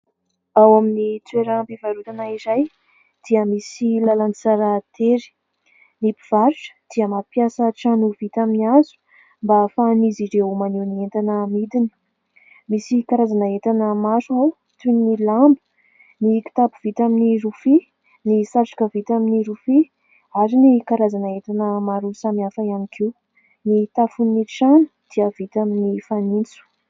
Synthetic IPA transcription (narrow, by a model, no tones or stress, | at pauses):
awaminit͡s̪weɾəmpivaɾut̪anaizaj | d̪̥iəmisilalanit͡saɾat̪eɾi̥ | nipiv̥aɾʈ͡ʂə̥d̪̥iəmapjasəʈ͡ʂanuvit̪aminiazu̥ | mbafaniziɾeumanewnient̪anəmid̪ini̥ | misikaɾazanəet̪anəmaʃua | t̪unnilambə̥ | niki̥t̪apuv̥it̪aminiɾufi | nisaʈ͡ʂḁkəvit̪aminiɾufi | aɾinikaɾazanəet̪anəmaɾusamiafaianikʰiw | nit̪afuniʈ͡ʂanu̥d̪̥iəv̥it̪aminifanint͡su̥